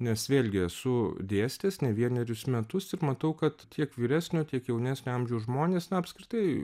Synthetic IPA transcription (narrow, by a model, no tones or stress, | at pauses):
nʲɛsʋʲeːlʲɡʲɪɐsʊd̪ʲeːsʲt̪ʲeːsnʲɛʋʲiɛnʲɛɾʲʊsmʲɛt̪ʊsɪɾmɐt̪ɐʊkɐt̪t̪ʲʰiɛkʋʲiːɾʲæːsʲnʲoːt̪ʲiɛkjɛʊnʲæːsʲnʲoɐmʲʒʲɛʊʒmoːnʲeːsnɐɐpʲskɾʲɪt̪ɐɪ